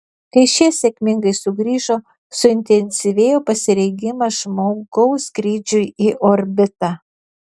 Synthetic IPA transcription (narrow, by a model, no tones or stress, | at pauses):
kɐɪʃʲiɛsʲekʲmʲɪŋɡɐɪsʊɡɾʲiːʒoː | sʊɪnʲt̪ʲɛnʲsʲɪʋʲeːjoːpɐsʲɪɾʲɛɪɡʲɪmɐʒmoːɡɒʊskɾʲiːd͡ʒʲʊjiʔoɾʲbʲɪt̪ɑː